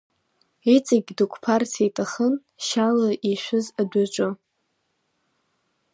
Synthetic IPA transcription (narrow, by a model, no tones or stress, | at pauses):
it͡sʼaɡʲdɨkʷʰpʰartʰajtʼaχən | ʃalaʔiʃᶣʷɨzadʷat͡ʃʷʼʊ